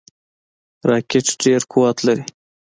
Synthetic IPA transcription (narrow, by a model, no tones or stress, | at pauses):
ɾɑːkʲeʈɖeɾkʰuwɑt̪laɾi